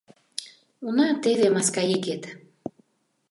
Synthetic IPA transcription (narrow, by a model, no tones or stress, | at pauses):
unɑt̪eβemɑskɑiket̪